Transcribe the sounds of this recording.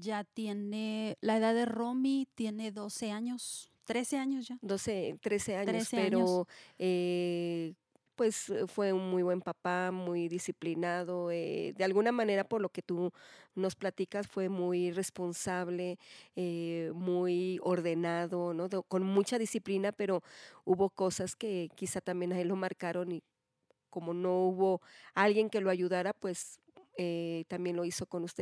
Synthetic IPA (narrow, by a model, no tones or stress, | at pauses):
d͡ʒat̪jenelaeðaððeromit̪jeneðoseaɲos | t̪ɾeseaɲosʝad̪oset̪ɾeseaɲospeɲɾoe | pwe̞sfwe̞unmujβwe̞mpapamujðisiplinaðoed̪ealɣunamãne̞ɾapoɾlo̞ke̞t̪uno̞splat̪ikasfwe̞mujrespo̞nsaβleemujoɾðenaðonoðekonmut͡ʃaðisiplinapeɾouβokosaskekisat̪ambje̞nailomaɾkaɾoni | komonouβoalɣje̞ŋke̞loaʝuðaɾapwes | et̪ambje̞nlo̞iso̞konust̪e